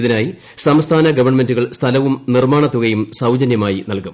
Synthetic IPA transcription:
iðinaːji | sɐmst̪ʰaːnɐɡɐʋɐrɳɐme̞nduɣɐɭst̪ʰɐlɐʋumnirmaːɳɐt̪ːuɣɐjumsɐwd͡ʑɐnjɐmaːjinɐlkum

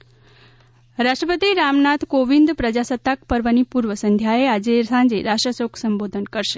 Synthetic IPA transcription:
ɾaʃʈɾəpət̪iɾamnat̪ʰkoʋind̪pɾəd͡ʒasət̪ːakpəɾʋənipuɾʋəsənd̪ʱjaead͡ʒesãɲd͡ʒeɾaʃəsoksəmbod̪ʱənkəɾʃe̥

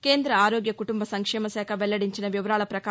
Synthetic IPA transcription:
keːnd̪ɾɐaːɾoːɡjɐkuʈumbɐsɐŋkʂɛːmɐsɛːkʰɐʋɛɭːɐɽiɲt͡ʃinɐʋiʋɐɾaːɭɐpɾɐka

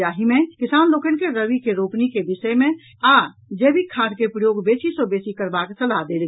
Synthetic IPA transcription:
aːɦimẽkɪsaːnloːkənkeɾəʋikeɾoːpnikebɪsəemẽ | a | d͡ʒeːbʱikʰaɾkepɾəjoːɡbeːsisobeːsikəɾbaksəlad̪eːl

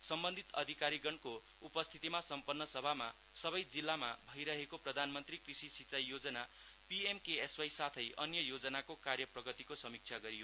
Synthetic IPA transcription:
sʌmbʌnd̪ʱit̪ʌd̪ʱikaɾiɡʌnko | upʌst̪ʰit̪imasʌmpʌnːʌsʌbʱama | sʌbʌjd͡zilːamabʱʌjɾʌɦekoprʌd̪ʱanmʌnt̪rikrisisit͡sʌjːod͡zʌna | piemkeeswajsat̪ʰʌjʌnjʌjod͡zʌnakokarjʌprʌɡʌt̪ikosʌmik̚t͡sʰjaɡʌɾijo

